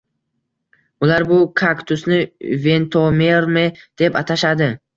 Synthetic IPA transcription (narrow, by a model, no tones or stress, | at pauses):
ʊlaɾbʊkʰakt̪ʰʊsnɪve̞nt̪ʰomeɾmed̪̥e̞pat̪ʰaʃad̪ɪ